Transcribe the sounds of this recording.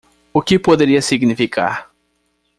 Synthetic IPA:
ʊkɪpod̪eɾiɐsiɡnifikʰa̰ɾ

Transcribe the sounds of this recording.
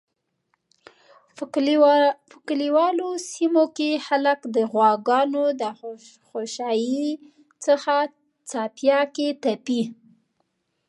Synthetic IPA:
fɪkliwɑlosimokexalakd̪əɣwɑɡɑnod̪ə | xoʃɑji | t͡səxa | t͡sɑpjɑket̪api

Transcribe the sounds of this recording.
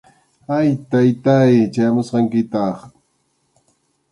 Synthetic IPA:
ajt̪ajt̪ajt͡ʃajamʊsqɑŋkɪt̪ɑχ

